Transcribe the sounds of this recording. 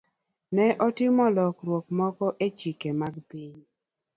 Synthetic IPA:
nɛʔɔtɪmɔlɔkɾwokmɔkɔʔet͡ʃikemaɡpiɲ

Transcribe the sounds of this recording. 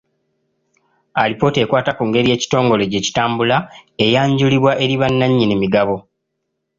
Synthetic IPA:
alipo̞ːte̞kwaːtakuŋɡe̞ɾije̞ːci̥to̞ːŋɡo̞le̞ɟe̞ci̥taːmbulae̞jaːɲɟuliβwaʔe̞ɾiβanːaɲːinimiɡaβo̞

